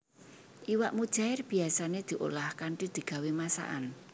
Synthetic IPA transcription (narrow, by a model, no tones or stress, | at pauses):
ʔiwaʔmud̥ʒ̥a̤ɪrb̥i̤asaned̪̥i̤ʔo̰lahkaɳʈid̪̥i̤ɡ̥a̤wemasa̰ʔa̰n